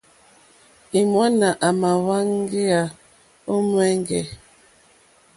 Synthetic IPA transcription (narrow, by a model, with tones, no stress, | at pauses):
i˨mwa˦na˨ʔa˨ma˨wa˦ŋ˦ɡe˦a˨ | o˦mwɛ˦ŋ˦ɡɛ̰˨